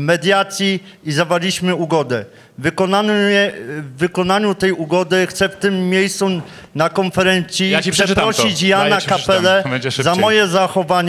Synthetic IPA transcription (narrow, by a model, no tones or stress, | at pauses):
mɛd̪ʲjat̪sʲji | izavalʲiɕmɘuɡɔd̪ɛ | vkɔaɛvːɘkɔnaɲut̪ɛjuɡɔd̪ɘxt̪sɛft̪ɘmːʲjejst̪u | nakɔnfɛɾɛnt̪sʲjit̪sɛpɾɔɕit͡ɕjaakapɛlɛɛɛzamɔjɛzaxɔvaɲ